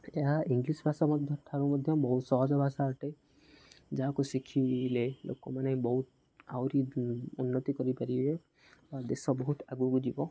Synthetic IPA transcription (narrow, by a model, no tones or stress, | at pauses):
eɦaʔiŋɡlisbʱasɔmɔd̪ʱjɔʈʰaɾumɔd̪ʱjɔbɔɦut̪sɔɦɔd͡ʒɔbʱasaɔʈe | d͡ʒaɦakusikʰilelʔo̰kɔ̰manebɔɦut̪̚ | awɾiunːɔt̪ikɔɾipaɾibe | bad̪esɔbɔɦut̪aɡuɡud͡ʒibɔ